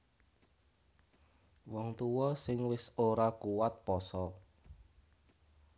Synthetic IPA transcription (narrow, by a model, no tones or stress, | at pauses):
wɔŋt̪uwɔsɪŋwɪsoɾakuwat̪̚pɔsɔ